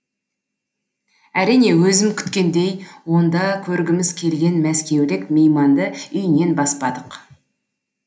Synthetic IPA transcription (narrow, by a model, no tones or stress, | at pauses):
æɾijne̞wɵzɪmkʲʰʏ̥t̪kʲe̞nd̪e̞jwo̞nd̪ɑkʲʰɵɾɡʲɪmɪzkʲʰe̞lɡʲe̞nmæskʲe̞wlɪkmejmɑnd̪əʏjne̞nbɑspɑd̪əq